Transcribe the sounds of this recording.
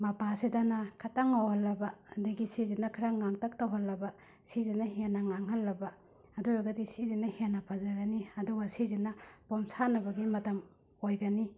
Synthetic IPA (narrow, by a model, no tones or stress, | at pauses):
mɐpasidanakʰataŋːawhɐlːɐbadɐɡisizinːɐkʰɾaŋaŋtɐk̚tawɦɐlːɐba | sizinɐɦenːɐŋaŋɦɐlːɐbaː | duɾaɡɐdisizinɐhenɐpʰazɐɡɐniɐduɡɐsizinːɐpomsanɐbɐɡimɐtɐm | ojɡɐni